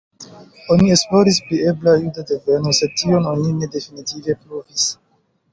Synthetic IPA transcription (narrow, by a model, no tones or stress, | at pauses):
onie̞splo̞ɾisplieblajudadevenose̞d̚tio̞nonine̞de̞finitive̞pɾovis